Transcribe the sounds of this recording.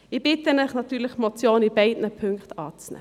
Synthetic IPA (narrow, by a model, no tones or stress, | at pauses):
iːbɪt̪ənəχnɑt̪ʰyːləχmɔt͡sjoːniːbæɪd̪nəpʰʉŋkt̪ɑːtsnə̰